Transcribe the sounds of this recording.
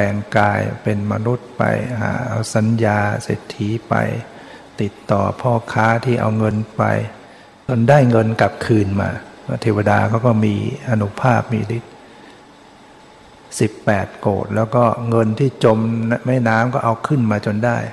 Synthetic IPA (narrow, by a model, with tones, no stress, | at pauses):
ɛː˨˧ŋkaː˧jpe˧nma˧nu˦˥t̪̚pa̰˧jɦa̰ː˩˦ʔa̰˧wsa˨˦njaː˧seː˨˩t̪ʰːi˦˥pa̰˧j | t̪i˨˩t̪ːɔː˨˩pʰɔː˥˩kʰaː˦˥t̪ʰiː˥˩ʔa̰˧wŋɤ˧npa̰˧j | t͡ɕo˧ndaː˥˩jŋɤ˧nka˨˩p̚kʰɯː˧nma̰ː˧m˥˩t̪ʰeː˧wa˧daː˧kʰa˦˥wkɔː˥˩miː˧ʔa˧nu˦˥pʰaː˥˩p̚miː˧li˦˥t̪̚ | si˨˩pːɛː˨˩t̪̚ko̰ː˨˩t̪̚lɛː˦˥wkɔː˥˩ŋɤ˧nt̪ʰiː˥˩t͡ɕo˧mnma˥˩jnaː˦˥mkɔː˥˩ʔa˧wkʰɯ˥˩nmaː˧t͡ɕo˧ndaː˥˩j